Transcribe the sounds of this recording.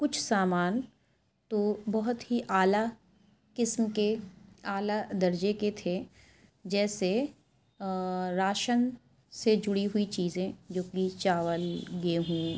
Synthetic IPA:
kʊt͡ʃʰsaːmaːn | t̪obɐɦʊt̪ɦiʔaːla | kɪsmkeaːlad̪ɐɾd͡ʒeket̪ʰe | d͡ʒɛːse | ɾaːʃən | sed͡ʒʊɽiɦʊit͡ʃiːzẽd͡ʒoːkit͡ʃaːʋəlɡeɦũː

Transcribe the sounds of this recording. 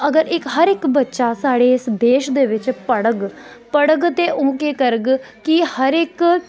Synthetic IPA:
əɡəɾɪkɦəɾɪkbətːʃasaːɽeːɪsd̪eːʃd̪eːʋɪt͡ʃpəɽəɡpəɽəɡt̪eʔõːkeːkəɾəɡkihəɾɪk

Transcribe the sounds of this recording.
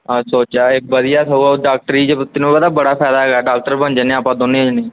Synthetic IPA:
asoːt͡ʃaːɪk̚bəd̪ɪjaːt̪ʰəuaɖaːk̚ʈɾiːd͡ʒet̪ɪnũːbəd̪aːbəɽaːpʰɛːd̪aːɦɛːɡaːɖaːk̚ʈəɾbənd͡ʒənẽapãːd̪oːnːẽːɦod͡ʒnẽː

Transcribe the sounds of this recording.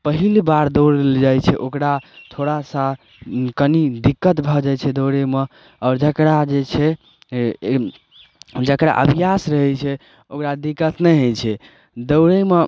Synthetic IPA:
pəɦilbaɾd̪əɾeld͡ʒajt͡ʃʰɛʔokɾat̪ʰoɾasa | kənid̪ikːət̪bʱɔd͡ʒajt͡ʃʰɛd̪əwɾeme | ɔːɾd͡ʒəkɾad͡ʒet͡ʃʰɛ | d͡ʒəkɾa̰ʔə̰bʱijasɾəɦɛt͡ʃʰɛ | okɾad̪ikːət̪nɛɦət͡ʃʰɛ | d̪əʊɾeme

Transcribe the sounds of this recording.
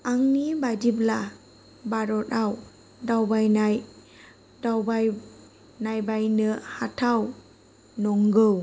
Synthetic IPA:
aŋnibadibla | baɾɔtaw | dawbajnaj | dawbaj | najbajnɯhatʰaw | nɔŋɡɯw

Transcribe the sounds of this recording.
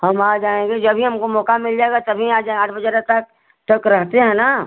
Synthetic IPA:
hɐmaːd͡ʒaːẽŋɡed͡ʒɐbʱiɦɐmkomɔːkamɪld͡ʒaːeɡat̪ɐbʱiaːd͡ʒaaːʈʰbɐd͡ʒəɾet̪ɐk̚ | ʈəkɾɐɦt̪eɦɛ̃naː

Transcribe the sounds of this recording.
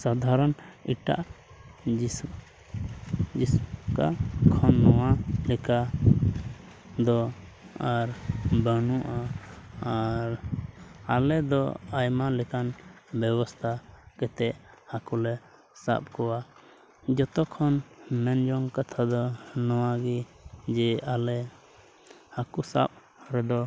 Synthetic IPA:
sad̪ʱaɾɔniʈa̰ʔ | d͡ʒi | d͡ʒisuka̰kʰɔnːɔwalɛka | d̪ɔ | aɾbənuʔaː | ɾ | alɛd̪ɔ̰ajmalɛkanbɛbɔst̪ʰakɛt̪ɛʔhakulɛ | sa̰p̚kɔwa | d͡ʒɔt̪ɔkʰɔnmɛnd͡ʒɔŋkat̪ʰad̪ɔnɔwaɡid͡ʒɛalɛ | hakusa̰p̚ | ɾɛd̪ɔ

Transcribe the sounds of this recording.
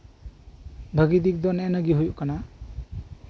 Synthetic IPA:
bʱəɡid̪ik̚d̪ɔnɛnəɡiɦujuʔkana

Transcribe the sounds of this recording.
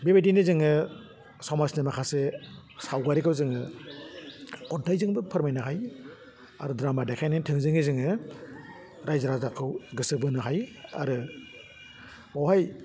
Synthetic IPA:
bebedinizɯŋɯ | sawmasnimakʰase | sawɡaɾikʰɯwzɯŋɯ | kɔntʰajzɯŋbɯpʰɯɾmajnɯɦaj | a̰ɾɯdɾamadakʰajnitʰɯŋzɯŋizɯŋɯ | ɾajzaɾazakʰɯwɡɯsɯbɯnɯɦaja̰ɾɯ | awɦaj

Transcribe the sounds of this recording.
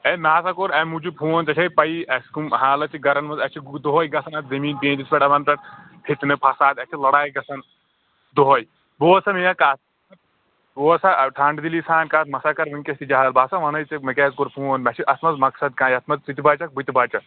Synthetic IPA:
emaːsakoɾɐmud͡ʒupʰuːnt͡ʃɐt͡ʃʰɐjpɐjiʔɐskumɦaːlɐt͡ʃʰiɡɐɾɐnmɐzɐt͡ʃʰid̪oɦoːjɡɐsʰɐnɐt̪zɐmiːnpẽːnt͡ʃispʲeʈɐmɐnpɐʈ | pʰit̪nɨpʰɐsaːd̪ɐt͡ʃʰilɐɽaːjɡɐsʰɐn | d̪oɦoj | boːsɐmijɐkaːt̪ | ɐ | boːsaʈʰaːɳɖd̪ilisaːnkaːt̪ʰmɐsaːkɐɾʋɨnʲkʲɐst̪id͡ʒaɦalbaːsaʋɐnɐjt͡ʃɐmɐkɛːzkoɾpʰuːnmɐt͡ʃʰiʔɐsmɐzmɐksɐd̪kãːjɐt̪ʰmɐzt͡sit̪ibaːt͡ʃɐk̚bɨt̪ibaːt͡ʃɐ

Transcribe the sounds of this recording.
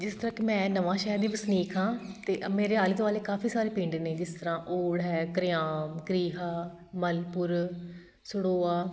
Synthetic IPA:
d͡ʒɪst̪əɾãːkemɛ̃ːnəʋãːʃɛːəɾd̪iːpəsniːkʰɦãːt̪eːʔmeːɾeːaːliːt̪oʋaːleːkaːfiːsaːɾeːpĩːɳɖeneːd͡ʒɪst̪əɾãːʔoːɽɦɛːkəɾɪjaːmkɾiːɦaː | məlpʊɾ | sʊɽoːaː

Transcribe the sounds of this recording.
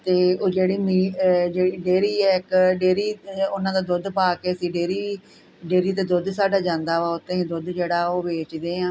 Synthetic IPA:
t̪eːoːd͡ʒeːɽiːmiːd͡ʒeːiːɖeːɾiːɛːɪkɖeːɾiːʊnãːd̪aːd̪ʊd̪paːkeːəsiːɖeːɾiː | ɖeːɾiːt̪eːd̪ʊd̪saːɖaːd͡ʒãːnd̪aːʋaːʊt̪ːẽẽːd̪ʊd̪d͡ʒeːɽaːoːbeːt͡ʃd̪eːãː

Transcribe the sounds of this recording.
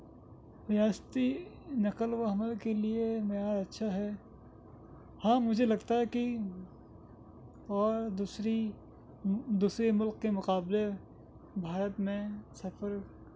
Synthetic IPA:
jaːst̪i | nɐqəlwoɦɐməlkeliemeaːɾɐtːʃʰaɦɛ | hãːmʊd͡ʒʱelɐɡt̪aɦɛki | ɔːɾd̪usɾi | d̪uːsɾemʊlqkemʊqaːble | bʱaːɾət̪mẽsɐfəɾ

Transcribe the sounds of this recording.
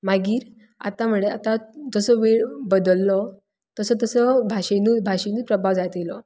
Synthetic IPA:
maɡiːɾ | a̰t̪am̤uɭeat̪ad͡zəsəʋeɭbəd̪əlːɔ | t̪əsət̪̬əsəbʱaɕenuːbʱaɕenuːpɾəbʱaʋd͡zajt̪elɔ

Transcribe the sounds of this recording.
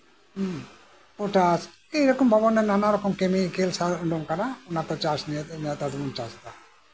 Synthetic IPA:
oʈas | ejɾɔkɔmbʱɔbɔnenanaɾɔkɔmkemikelsaɳɖɔmkaɾaonat̪ɔt͡ʃasnienat̪ad̪umunt͡ʃast̪a

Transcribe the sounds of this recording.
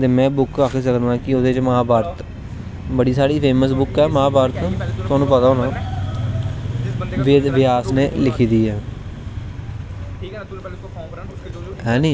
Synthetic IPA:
t̪eːmɛ̃ːbʊkaːkʰeːsəkd̪ãːkɪʊd̪eːt͡ʃməɦãːbaːɾət̪ | bəɽiːsaːɽiːpʰeːməsbʊkɛːmaːbaːɾt̪ːt̪ʊaːnũːpət̪aːoːnãː | ʋʋɪjaːsnḛːlɪkʰiːd̪iːɦɛː | ɦɛ̃ːnĩː

